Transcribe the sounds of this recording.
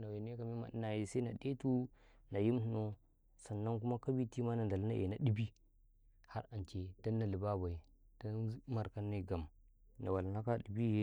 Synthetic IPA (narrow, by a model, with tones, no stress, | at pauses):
na˨we˨n˦e˦ka˨mi˦ma̰˨di˦na˨je˨sa˦na̰˨de˦tu˦ | na˨ji˦m˦tno˦ | sa˨nːa˦nk̬u˦ma˦ka˦bi˦ti˦ma˦na˨n˨da˨lna̰˦ʔḛ˨na˨˦ɗi˦bi˦ | ha˦ɾa˨nt͡ʃe˨d̥a˦nːa˨li˨ba˦ba˨ji˨ | d̥a˦ma˨ɾka˦nːa˦˨ɡa˨m | na˨wa˨lna˦ka˦di˨bi˦je˦